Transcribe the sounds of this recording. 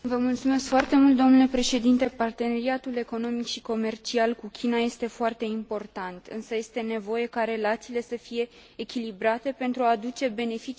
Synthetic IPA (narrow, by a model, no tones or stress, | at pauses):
vəmult̪sume̞skfoart̪e̞mult̪d̪o̞mnule̞pɾe̞ʃe̞d̪int̪e̞part̪e̞neɾiat̪ule̞ko̞no̞mikʃiko̞me̞rt͡ʃialkukʲʰinaje̞st̪e̞foart̪e̞impo̞rt̪ant̪ɨnsəje̞st̪e̞ne̞vo̞je̞kaɾe̞lat̪siːle̞səfije̞ː | kʲilibɾat̪e̞pe̞nt̪ɾuaːd̪ut͡ʃe̞be̞ne̞fit͡ʃ